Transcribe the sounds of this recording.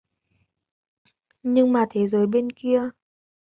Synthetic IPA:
ɲɨ˧ŋmaː˨˩t̪ʰe˨˦zəː˨˦jɓe˧nki˧ə

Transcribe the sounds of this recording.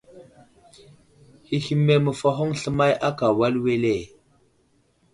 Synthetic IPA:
hi˨xi˨me˦mə˨fa˦ɦo˦ŋɬə˦ma˦jʔa˦ka˨wa˦lwe˦le˦˨

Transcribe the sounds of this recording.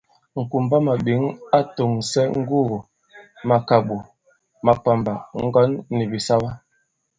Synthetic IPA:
ŋ̩˨ku˨m˨ba˦ma˨bi˨˦ŋa˦to˨ŋ˨sɛ˦ŋ̩˦ɡu˦ɣu˨ | ma˨ka˨bu˨ | ma˨k͡pa˨mba˨ŋ̩˦ɡɔ˦nːi˨bi˨sa˦ba˦

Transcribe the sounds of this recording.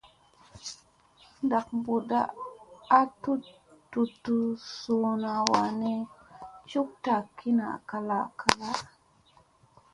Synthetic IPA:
da˨k̚bu˨da̰ː˦ | tu˦ | tːu˨tːu˨su˨na˨wa˨ne˦t͡ʃu˦k̚ta˨kʰi˦na̰˨ka˦la˦˨ka˦la˦

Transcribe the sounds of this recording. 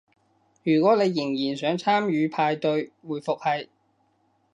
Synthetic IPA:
jyː˨˩kʷwɔː˨˥ne˨˧jːɪ˨˩ŋjiː˨˩nsœː˨˥ŋt͡sʰaː˥mjyː˨˧pʰaː˧jt̪ɵ˧ɥwuː˨jfʊ˨k̚hɐ˨j

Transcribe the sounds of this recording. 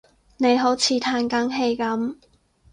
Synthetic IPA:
ne˨˧jɦo˨˥wt͡sʰiː˨˧t̪ʰaː˧nkɐ˨˥ŋɦe˧jkɐ˨˥m

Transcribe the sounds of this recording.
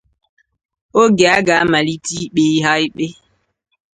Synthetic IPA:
o˦ɡa˨˦ɡa˨˦ma˨li˦ti˦ɓe˦i˦ɦa˦jɓe˦

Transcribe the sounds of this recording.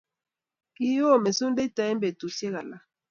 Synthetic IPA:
ki˦o˦˨me˨su˦nde˦ta˨ɛ˦mbe˨tu˨sje˦ɣa˨la˦

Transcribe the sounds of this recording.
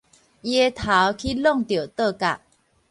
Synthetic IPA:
je˦t̪ʰa˨˦wkʰi˦lɔ˥˨ŋt̪jo˨˩t̪ə˥˧ka̰˨˩ʔ

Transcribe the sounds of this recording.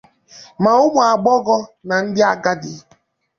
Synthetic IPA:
ma˨ʊ˦mʊ˨a˨ɡ͡bɔ˦ɡɔ˦na˨n̩˦dɪ˦a˦ɡa˦dɪ˨

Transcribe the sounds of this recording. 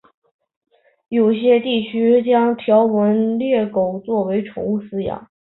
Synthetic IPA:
jo˨˩ʊ˥ɕjɛ˥t̪i˥˩t͡ɕʰy˥t͡ɕjɑ˥ŋt̪ʰjɑ˧˥ʊwə˧˥nljɛ˥˩ko˨˩ʊt͡swɔ˥˩we˧˥ɪʈ͡ʂʰʊ̰˧˥ŋu˥˩sɹ̩˥jɑ̰˨˩˦

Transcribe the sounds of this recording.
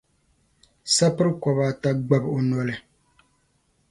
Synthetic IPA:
sa˦pɨ˦ɾɨ˦kɔ˨baː˦ta˦ɡ͡ba˦bo˨nɔ˦lɨ˨

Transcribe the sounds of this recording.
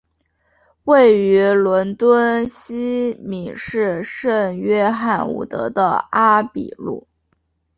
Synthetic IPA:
we˥˩ɪy˧˥lwə˧˥nt̪wə˥nɕi˥mi˨˩ʂɻ̩˥˧ʂə˥˧ŋɥɛ˥xa˥˩nṵ˨˩t̪ɤ̰˧˥d̪ə̰˧a˥pḭ˨˩lṵ˥˩

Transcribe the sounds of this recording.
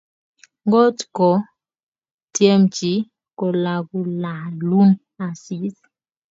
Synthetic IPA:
ŋɡɔ˦tkɔ˨ | tje˦mt͡ʃi˨˦ | kɔ˨la˨ɡu˦la˨lu˦m | a˨si˨˦s

